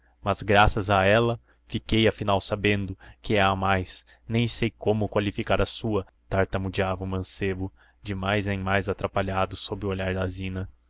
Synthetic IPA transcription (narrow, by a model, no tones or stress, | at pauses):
mɐzɡɾasɐzɐɛlɐ | fikejɐfinawsabẽnd̪ʊkɪaamajs | nẽj̃sejkõmʊkwalifikaɾɐsuɐ | t̪aɾt̪ɐmʊd͡ʒiavʊmɐ̃sebʊ | d͡ʒɪmajzẽj̃majzat̪ɾapaʎad̪ʊsobɾɪʊoʎaɾd̪azĩnɐ